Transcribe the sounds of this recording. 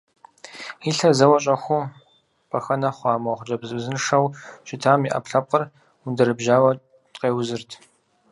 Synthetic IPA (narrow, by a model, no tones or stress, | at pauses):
iɬɐzɐwɐɕʼɐxʷʊ | pʰɐxɐnɐχʷɑːmɐχʷt͡ʃʼɐbzɨbzɨnʂɐwɕɪtʰaːmiʔɐ̰pɬɐp̚qɐr | wundɐɾɨbʒaːwɐ | tʼqeːwzɨrtʰ